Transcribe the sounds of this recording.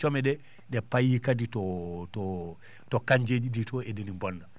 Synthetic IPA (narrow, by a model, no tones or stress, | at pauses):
t͡ʃɔmɛɗɛ | ɗɛpajikaditɔtɔ | tɔkaɲd͡ʒed͡ʒiditɔedenimbɔnːa